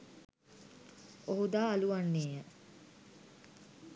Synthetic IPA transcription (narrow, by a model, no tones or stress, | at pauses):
oɦud̪aːaluʋanːeːjə